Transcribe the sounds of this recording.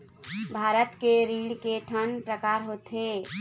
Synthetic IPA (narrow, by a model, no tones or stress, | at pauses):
bʱaːɾət̪keɾiːɽkeʈʰənpɾəkaːɾɦot̪ɦe